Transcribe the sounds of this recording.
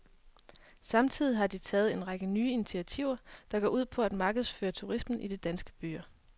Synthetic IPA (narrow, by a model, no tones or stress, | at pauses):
sɑ̈mt͡sʰið̞̰ˠiɦɑ̈d̥it͡sʰɛːð̩ˠe̝nʁɑ̈ɡ̥ənyːinit͡sʰiæt͡sʰiʊ̰ɐd̥ɑ̈ɡ̥ɒːuð̰ˠpʰɒ̽æd̥mɑ̈ːɡ̥ð̞̩ˠsføːɐt͡sʰuʁismn̩ʔid̥e̝d̥ænsɡ̥ə̥b̥y̰ːɐ